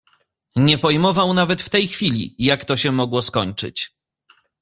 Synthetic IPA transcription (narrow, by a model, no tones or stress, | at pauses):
ɲɛpɔjmɔvawnavɛt̪ft̪ɛjxfʲilʲḭjakt̪ɔɕɛmɔɡwɔskɔɲt͡ʂɘ̰t͡ɕ